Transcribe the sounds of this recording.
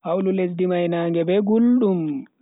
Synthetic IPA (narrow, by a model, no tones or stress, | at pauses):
hawlules̬dimajnaːŋɡɛbɛɡulɗum